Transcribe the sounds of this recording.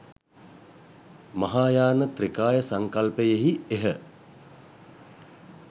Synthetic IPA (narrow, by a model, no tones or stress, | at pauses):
mɐɦaːjaːnət̪ɾikaːjəsaŋkalpəjeɦieɦə